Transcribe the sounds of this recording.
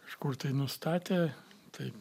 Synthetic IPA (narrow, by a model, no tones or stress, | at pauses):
kɐʃkʊrt̪ɐɪnʊst̪ɑːt̪ʲeːt̪ɐɪp